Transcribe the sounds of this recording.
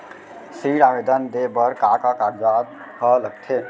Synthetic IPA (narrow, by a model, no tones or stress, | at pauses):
siɽaʋeːd̪ʱənd̪ebəɾkakakaɾd͡ʒad̪̚ | kələɡ̚t̪ʰe